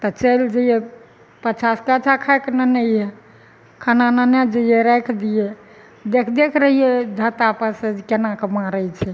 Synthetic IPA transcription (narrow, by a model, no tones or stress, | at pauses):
t̪ɔt͡ʃəjld͡ʒəijɛ | pət͡ʃʰaskat͡ʃʰakʰaeknənɛjɛ | kʰanananed͡ʒəijeɾɛkʰd̪ijɛ | d̪ekʰd̪ekʰɾəɦijɛd̪ʱət̪apəsekenakemaɾəjt͡ʃʰɛ